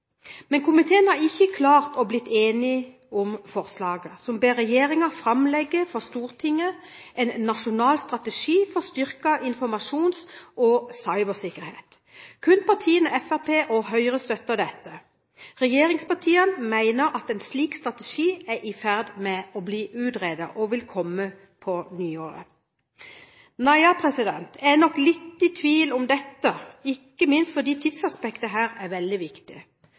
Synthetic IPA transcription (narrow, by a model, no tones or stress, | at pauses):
mɛnkʊmɪt̪ʰeːənhɑʁɪçːəkʰlɑːʁt̪ɔblɪt̪ːeːnɪ | ʊmfɔʁslɑːɡəsɔmbeːʁɛjeːʁɪŋɑfʁɑmlɛɡːəfɔʁst̪uːʁt̪ʰɪŋːəʔɛnːɑʂʊnɑːlst̪ʁɑt̪əʂiːfɔʁst̪ʏɾkɑʔɪnfɔʁmɑʂuːnsʔɔsɑɪbəsɪkːəɾhḛːt̪ | kʰʉnpɑʁt̪ʰiːənəɛfæpʰeːʔɔɦœʏʁəst̪œt̪ːəd̪ɛt̪ːə | ʁɛjeːɾɪŋspɑʈ̪ʰiːənmæɪnəɾʔɑt̪ɛnsliːkst̪ʁɑt̪əʃiːæʔɪfæʁd̪mɛɔbliːʔʉːt̪ʁeːd̪əʔɔʋɪlkʰɔmːə | pʰɔnyːoːɾə̰ | nɑɪɑpʰʁɛsɪd̪ɛnt̪ʰɛnɔkːlɪt̪ːɪt̪ʰʋiːlʊmd̪ɛt̪ːəɪkːəmɪnst̪fɔd̪iːt̪ʰɪd̪sɑspɛkt̪əɦæːɾæʋɛld̪ɪʋɪkt̪ɪ